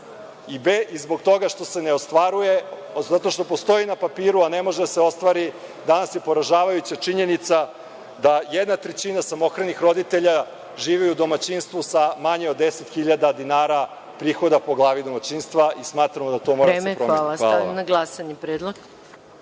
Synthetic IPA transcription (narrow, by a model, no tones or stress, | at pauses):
ibeʔizbo̞ɡt̪o̞ɡaʃt̪o̞se̞neo̞st̪ʋaɾuje̞ | zat̪o̞ʃt̪o̞po̞st̪o̞inapapiːɾuane̞mo̞ʒed̪aseo̞st̪ʋaɾi | d̪anasje̞po̞ɾaʒaːʋajut͡ɕat͡ʂiɲe̞nit̪sa | d̪ajed̪nat̪ɾet͡ɕinasamo̞kɾanixɾo̞d̪it̪e̞ʎa | ʒiːʋiud̪o̞mat͡ɕinst̪ʋusamaɲeod̪ːe̞set̪xiʎad̪ad̪inaːɾa | pɾiːxo̞d̪apo̞ɡlˠaːʋid̪o̞mat͡ɕinst̪ʋaʔismaːt̪ɾamod̪at̪o̞ːmoɾad̪sepɾomaːl̰naɡlasaɲipɾed̪lˠoɡ